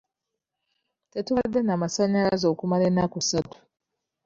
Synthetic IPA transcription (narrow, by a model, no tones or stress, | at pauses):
tetwadenamasaɲalazoːkumalenakusatu̥